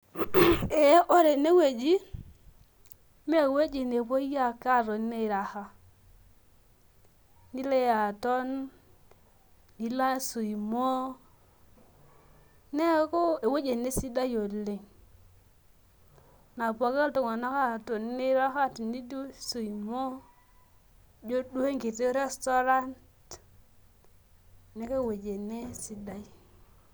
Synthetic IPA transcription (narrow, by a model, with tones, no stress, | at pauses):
e˨˦ʔo˦ɾe˨ne˦we˨d͡ʒi˦ | me˦˨we˦d͡ʒe˨ne˨po˦ja˦ka˦ɾo˨n˦ne˦˨ɾa˨ha˦ | ni˦le˦ja˨tɔ˦n | i˨la˦su˨i˨mo˦ | ne˦ko˦e˨we˦d͡ʒe˨ne˦si˦da˦jo˨lːe˨ŋ | na˨pa˨ke˦ltʊ˨ŋa˨na˦ka˦˨to˨n˦ɪ˦ɾa˦ka˦ti˨ni˦du˦su˨i˨mo˦ | d͡ʒo˦du˦e˦ŋɡi˨te˦ɾe˦stɔ˦ɾa˦nt | ne˦ke˦˨we˨d͡ʒe˨ne˦si˨da˦j